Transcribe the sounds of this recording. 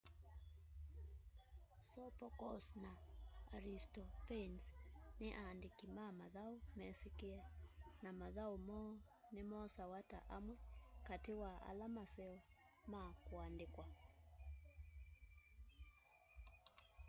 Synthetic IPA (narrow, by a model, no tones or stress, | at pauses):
sɔpɔkɔsnaːɾistɔpɛnsneʔaːndekimamaðaumɛsekeanamaðaomɔ | nemɔsawata̰ʔamwɛkatewaʔa̰lamasɛɔ | makoandekwa